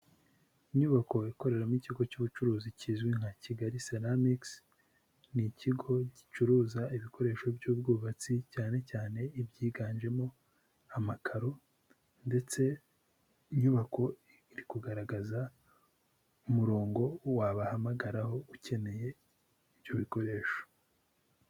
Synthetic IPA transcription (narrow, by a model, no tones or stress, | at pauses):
iɲuβako̞iko̞ɾe̞ɾamiciɡo̞cuːβut͡ʃuɾuːzicizɡwiŋ̥haciɡaɾiseɾamiks | niciɡo̞ɟit͡ʃuɾuːzaiβikʰo̞ɾe̞ːʃo̞bjuːbɡuːβat͡sicaːne̞caːne̞ibɟiːɡaːɲʒe̞mo̞ | amakʰaɾo̞ | nde̞t͡se̞ | iɲuβako̞ | iɾikuɡaɾaɡaza | umuɾo̞ːŋɡo̞waβahamaɡaɾaho̞uce̞ne̞je̞ | iβjo̞βiko̞ɾe̞ːʃo